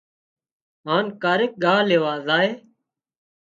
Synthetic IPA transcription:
ɦaːnkaːɾeːk̚ɠaːleːʋaːzaːɦeː

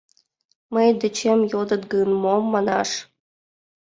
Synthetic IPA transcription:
məjd̪ət͡ɕʰemjod̪ɤ̆t̪ɡɯnmomːɑnɑʂ

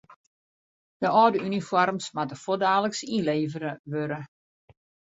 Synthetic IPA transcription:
d̥əʔɔːdəynifɔrmsmatəfodaːləksinleːvəɾəʋøɾə

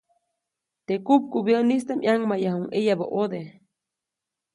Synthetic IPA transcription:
t̪ekup̚ɡobjenist̪amʔaŋmajahuŋʔejabo̰ʔod̪e

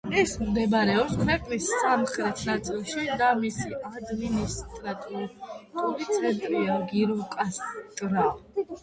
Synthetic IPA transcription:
ɛsmd̪ɛbaɾɛɔpskʰvɛqʼnisːamχɾɛt̪ʰnat̪sʼilˠʃid̪amisiad̪minist̪ʼɾat̪ʼiuɾt̪ʼulit̪sʰɛnt̪ʼɾiaɡiɾukʼast̪ʼɾa

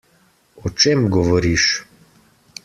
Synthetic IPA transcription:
ɔt͡ʃemɡɔʋɔɾiʃ

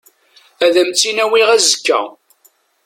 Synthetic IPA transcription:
æðæmt͡sːinæwiʁæzəkːæ̰

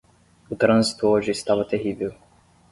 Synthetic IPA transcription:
ʊt̪ɾɐ̃zit̪ʊoʒɪːst̪avɐt̪eɦivew

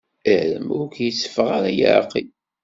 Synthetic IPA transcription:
əʕlə̰mʊɾkjəsːə̥fəʁaɾajə̰ɾqːi

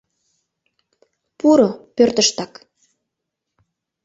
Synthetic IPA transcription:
puɾopørt̪ə̆ʃt̪ɑk

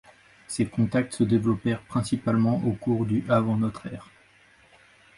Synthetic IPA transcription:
sekɔ̃t̪ak̚t̪səd̪evlɔpɛʁpχɛ̃sipalmɑ̃ʔokuʁd̪yʔavɑ̃nɔt̪χɛːʁ

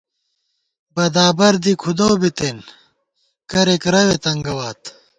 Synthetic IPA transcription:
bɐd̪aːbɐɾd̪ikʰud̪owbit̪en | kɐɾekɾɐwet̪ɐŋɡɐwaːt̪

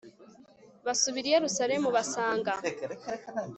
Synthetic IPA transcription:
βasuβiɾijeɾusaɾe̞muβasaːŋɡa

